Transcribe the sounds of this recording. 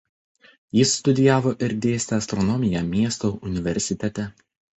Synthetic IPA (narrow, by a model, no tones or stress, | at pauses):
jɪsːt̪ʊd̪ʲɪjæːʋoːʔɪɾd̪ʲeːsʲt̪ʲɛɐst̪ɾɔnɔmʲɪjæmʲiɛst̪oʔʊnʲɪʋʲɛɾʲsʲɪt̪ʲɛt̪ʲɛ